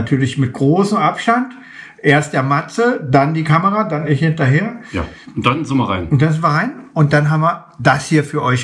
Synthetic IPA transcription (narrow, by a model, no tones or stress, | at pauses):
atʰyːɐlɪçmɪt̚ɡ̥ʁoːsm̩ʔapʃtant | ʔeːɐst̚d̥aɐmat͡sədandiːkʰaməʁadanɛhɪntɐɦeːɐja̰ | ʊn̚d̥anzɪmɐʁa̰ɪnʊntd̥anzɪmɐʁaɪnʔʊnt̚d̥anɦaːmvɐ | dashiːɐfyːɐʔɔʏç